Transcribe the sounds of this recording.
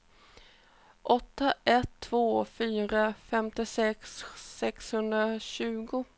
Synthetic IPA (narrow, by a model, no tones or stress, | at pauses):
ʔɔt̪ːaʔɛt̪ʰːv̥oːfyːɾafɛmt̪ɪsɛksːɛkshɵnd̪ɾaɕʉ̟ːɡʊ